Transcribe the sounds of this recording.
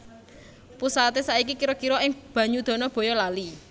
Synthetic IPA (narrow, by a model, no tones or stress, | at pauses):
pusat̪esaikikiɾɔkiɾɔɪŋb̥ä̤ɲud̪̥ɔ̤nɔb̥ɔ̤jɔlali